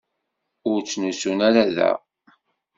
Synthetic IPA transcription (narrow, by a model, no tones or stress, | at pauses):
ʊɾt͡sːnusunæɾaðæ̰